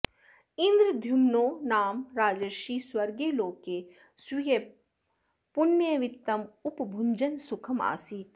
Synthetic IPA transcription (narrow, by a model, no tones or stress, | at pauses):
ĩnd̪ɾəd̪ʱjumnoːnaːmɾaːd͡ʒɐʃiːswɐɾɡeːloːkeː | swije | pʊnːjɐʋɪt̪ːɐmʊpbʱʊɲd͡ʒɐnsʊkʰɐma̰ːsiːt̪